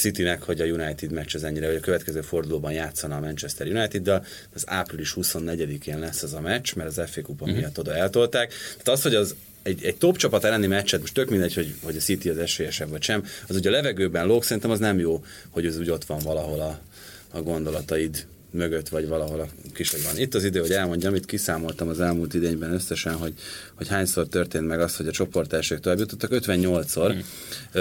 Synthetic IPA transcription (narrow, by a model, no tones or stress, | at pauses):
sit̪inɛkho̞ɟɒjunajt̪id̪mɛt͡ʃːɛzɛɲːiɾɛvɒɟɒkøvɛt̪kɛzøːfo̞rd̪uloːbɒnjaːt̪sːɒnɒːmɛnt͡ʃɛst̪ɛrjunɒjt̪id̪ːɛl | za̰ːpriliʃhuso̞nːɛɟɛd̪ikeːnlɛsːɛzɒmɛt͡ʃmɛɾɒzɛfeːkupomːijɒt̪ːo̞d̪ɒɛlt̪o̞lt̪aːkt̪aːt̪ɒst̪ho̞ɟɒz | ɛɟɛɟ̚t̪o̞pt͡ʃɒpɒt̪ɛlːɛnimɛt͡ʃːɛt̪̚mo̞ʃt̪ø̞kmind̪ɛcho̞ɟho̞ɟɒsit̪iɒzɛʃøːjɛʃɛbvɒcʃɛmɒzuɟɒlɛvɛɡøːbɛnloːksɛɾint̪ɛmɒznɛmjoː | ho̞ɟzuːɟo̞t̪ʋɒɱvɒlɒɦo̞lɒː | ɡo̞nd̪o̞lɒt̪ɒid̪ | møɡøt̪ːʋɒɟʋɒlɒɦo̞lɒkiʃhoɟʋɒnit̪ːɒzid̪øːho̞ɛlmo̞ɲɟɒmit̪kisaːmo̞lt̪ɒmɒzɛlmuːlt̪id̪eːɲbɛnøsːɛʃɛnɦo̞ɟho̞chaːɲsort̪ørt̪eːnt̪mɛɡɒst̪ho̞ɟɒt͡ʃo̞po̞rt̪ɛːʃeːkt̪oaːbjut̪o̞t̪ːɒkøt̪ʋɛɲːo̞lt̪so̞r